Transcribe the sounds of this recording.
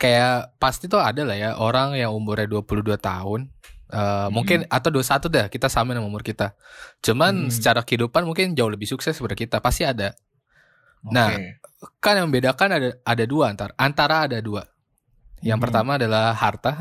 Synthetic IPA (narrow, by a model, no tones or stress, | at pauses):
kajapast̪it̪uadalahjaʔoɾaŋjaŋumbʊɾaduapuluhduat̪a̰ɦʊnʔəːmuŋkɪnat̪awduasat̪udahkit̪asamanamumʊrkit̪at͡ʃumansə̥t͡ʃaɾakəidupanmuŋkɪnd͡ʒaʊhləbɪhsuksɛsəbəɾdakit̪apast̪iada | nahkanjaŋəmbedakanadaadaduaːnt̪aɾaʔːnt̪aɾaːdadua | jaŋpərt̪amaːdalahhart̪a